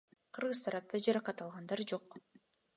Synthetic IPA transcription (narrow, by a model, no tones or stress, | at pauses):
qʰɯɾʁɯzt̪ʰɑɾɑp̚t̪ʰɑd͡ʒɑɾɑqɑt̪ɑlˠʁɑnd̪ɑɾd͡ʒo̞q